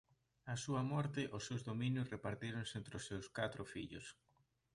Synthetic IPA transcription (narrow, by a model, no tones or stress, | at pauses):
asuɐmɔɾt̪ɪʔʊsːewzðomĩnjʊsrepaɾt̪iɾoŋsent̪ɾʊsewskat̪ɾʊfḭʎʊ̰s